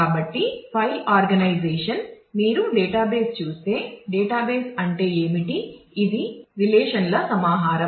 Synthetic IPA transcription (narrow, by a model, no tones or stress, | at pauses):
aːbɐʈːipʰɐjlaːɾɡɐnɐjd͡ʒeːʂɐn | miːɾuɖɛːʈaːbeːst͡ʃuːst̪e̞ːɖeːʈaːbeːsɐɳʈe̞ːeːmiʈiːd̪iɾilɛːʂɐnlɐsɐmaːɦaːɾɐ